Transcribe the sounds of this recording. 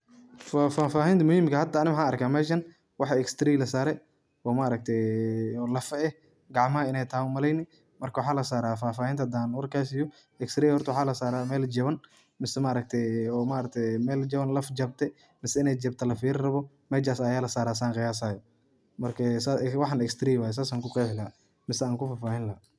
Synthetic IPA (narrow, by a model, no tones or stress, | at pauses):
faːfaːfaːhint̪ʰɐmʊhiːmkɐhɐd̪ːɐːnɪwħaːɐrkʰaːmɛːʃɐn | wɑħɛkst̪ɾiːlɐsaːɾɛ | ɔːmaʔɾɐk̚t̪ʰɛjɔːlɐfɐɛ | ɡɑʕmɐɐɪnɛjt̪ʰɐhʊmɐlɛjnɪ | mɐrkʰɐwɑħaːlɐsaːɾaːfaːfaːhiːnt̪ʰɐd̪aːnwɐrkʰaːsɪjɔ | ɛkst̪ɾiːjhɔrt̪ʰwħaːlɐsaːɾaːmɛːld͡ʒɐβɐn | mɪsɛmaːɾɐk̚t̪ʰɛɔːmaːɾɐk̚t̪ʰɛmɛːld͡ʒɐβɐnlɐfd͡ʒɐb̚t̪ʰɛ | mɪsɛɪnɛjd͡ʒɐbt̪ʰɐlɐfiːrrɐβɔ | mɛːt͡ʃaːsɐjaːlɐsaːɾaːs̬aːŋqɪjaːs̬aːjɔ | mɐrkʰɐsawɑħɑːnɛkst̪ɾiːwaːjɛs̬aːsaːŋkʊqɛjħɡaː | mɪsɛaːŋkʊfaːfaːhɪnlɐ